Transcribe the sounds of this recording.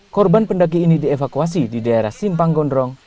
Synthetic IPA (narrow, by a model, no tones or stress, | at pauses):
kɔrbanpəndak̬iːnidiɛfakuas̬ididaeɾa̰hsimpaŋɡɔndɾɔŋ